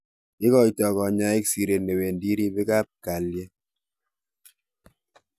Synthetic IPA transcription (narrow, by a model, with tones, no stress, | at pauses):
ɪ˦kɔ˦i˨tɔ˨kɔ˨ɲa˦e˦ksi˨ɾe˨ne˨we˨ndi˦ɾi˦be˦ka˦p̚ka˨ljɛ˦